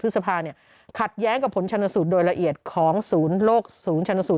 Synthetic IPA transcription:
t̪̚ʰsa˧pʰaː˧ni˥˩ɐ | kʰa˨˩t̪̚jɛː˦˥ŋka˨˩pʰo˩˦nt͡ɕʰa˧nːa˧su˨˩t̪̚doː˧jɾa˧ʔi˨˩ət̪̚kʰɔː˩˦ŋsuː˩˦nloː˥˩k̚suː˩˦nt͡ɕʰa˧nːa˧su˨˩

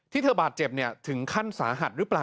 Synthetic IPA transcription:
t̪ʰi˥˩t̪ʰɤː˧baː˨˩t̪̚t͡ɕe˨˩p̚ni˥˩ɐt̪ʰɯ˩˦ŋkʰa˥˩nsaː˩˦ɦa˨˩t̪̚ɾɯː˦˥plaː˨

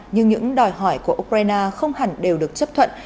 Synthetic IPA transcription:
ɲɨ˧ŋɲɨ̰˧˥ŋɗɔ˨˩jɦɔ˧˩jku˧˩əʔu˧k̚zaː˧jnaː˧xə˧wŋ͡mha˨˩ŋ̟ɗe˨˩wɗɨ˨˩ək̚t͡ɕə˦˥p̚t̪ʰwə̰˧˨n

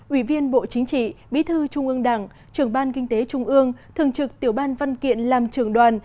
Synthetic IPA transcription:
ʔi˧˩vi˧ənɓo̰˧˨t͡ɕï˨˦ŋ̟t͡ɕḭ˧˨ɓi˨˦t̪ʰɨ˧t͡ɕʊ˧ŋ͡mʔɨ˧əŋɗa̰˧˩ŋ | t͡ɕɨ˨˧˩əŋɓaː˧nkï˧ŋ̟t̪e˨˦t͡ɕʊ˧ŋ͡mʔɨ˧əŋt̪ʰɨ̰˨˧˨əŋt͡ɕɨ˨˩k̚t̪i˧˩əwɓaː˧nva˧nkḭ˧˨ənlaː˨˩mt͡ɕɨ˧˩əŋɗwaː˨˩n

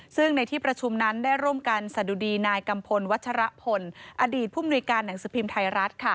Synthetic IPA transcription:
sɯ˥˩ŋna˧jt̪ʰiː˥˩pɾa˧t͡ɕʰu˧mna˦˥nda˥˩jɾu˥˩əmka˧nsa˨˩du˧diː˧naː˧jka˧mpʰo˧nwa˦˥t̪̚t͡ɕʰa˧ɾa˦˥pʰo˧nʔa˧diː˨˩t̪̚pʰuː˥˩mnu˧jkaː˧nːa˩˦ŋsɯː˩˦pʰi˧mt̪ʰa˧jɾa˦˥t̪̚kʰa˥˩

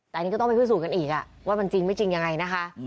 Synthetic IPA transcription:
t̪ɛː˨˩˨kɔ˥˩t̪ɔ˥˩pʰu˥˩suː˨˩ka˧nʔiː˨˩k̚ʔa˨˩ | waː˥˩ma˧nt͡ɕi˧ŋma˥˩jt͡ɕi˧ŋja˧ŋa˧jna˦˥kʰa˦˥ʔ

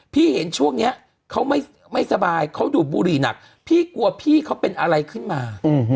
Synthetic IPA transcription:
pʰiː˥˩he˩˦nt͡ɕʰu˥˩əŋni˦˥ɐ | kʰa˦˥wma˥˩j | ma˥˩jsa˧baː˧jkʰa˦˥wduː˨˩t̪̚buː˧ɾiː˨˩na̰˨˩k̚ | pʰiː˥˩ku˧ɐpʰiː˥˩kʰa˦˥wpe˧nʔa˧ɾa˧jkʰɯ˥˩nmaː˧˨˦

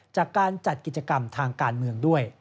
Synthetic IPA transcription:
t͡ɕaː˨˩kːaː˧nt͡ɕa˨˩t̪̚ki˨˩t͡ɕa˧ka˧mt̪ʰaː˧ŋkaː˧nmɯ˧əŋdu˥˩əj

